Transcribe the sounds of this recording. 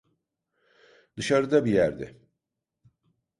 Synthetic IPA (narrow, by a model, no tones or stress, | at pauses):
d̪ɯʃaɾɯd̪abijæɾd̪ɛ̰